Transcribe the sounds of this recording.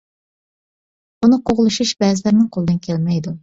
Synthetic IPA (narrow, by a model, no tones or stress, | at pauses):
unɨqʰoʁlˠuʃuʃbɛzɪlɪɾnɪŋqʰolˠɨd̪ɨnkʲʰelmɛjd̪u